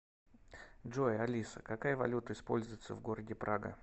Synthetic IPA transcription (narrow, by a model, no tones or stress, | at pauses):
dʐojɐlʲisəkakajəvɐ̰lʲut̪əɪspolʲzʊjɪt̪səvɡo̞ɾədʲɪpɾʔaɡə̰